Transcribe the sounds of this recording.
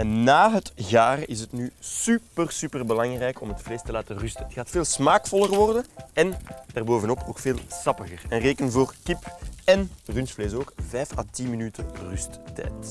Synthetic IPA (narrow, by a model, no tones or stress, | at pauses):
ɛnːaːɦətɣaːrɪsətnyːsypərsypərbəlɑŋrɛjkɔmɦətfleːstəlaːtərʏstəətxaːtfeːlˠsmaːkfɔlˠərʋɔrdəɛnd̥aːrboːvənɔpʰoːkfeːlˠsɑpəɣərɛnreːkənvoːrkɪpɛnrynsfleːsoːkvɛjfaːtinminytərʏstːɛ̰ːt